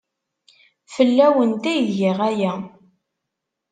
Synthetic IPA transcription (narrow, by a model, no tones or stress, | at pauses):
fəlːæwənt̪æjʝɪʁæjæ